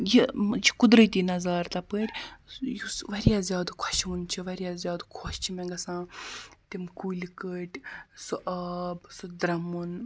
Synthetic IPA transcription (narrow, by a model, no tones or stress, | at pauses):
jijikʊd̪ɾɐt̪ʲiːnɐzaːɾt̪ɐpəɾʲjusʋɐɾʲjaːzʲjaːd̪kʰɐ̥ʃunt͡ʃʰiʋɐɾʲjaːzʲjaːd̪kʰoʃt͡ʃʰimeŋɡɐsãːt̪imkuːlʲikəʈʲsuʔɐːbsud̪ɾɐmun